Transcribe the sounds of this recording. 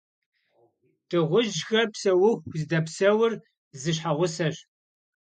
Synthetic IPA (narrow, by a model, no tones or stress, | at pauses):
tʰʼɨʁʷʊʒxɐrpsɐwʊxʷzdɐpsɐwʊr | zɨɕ̬ħaʁʷʊsɐɕ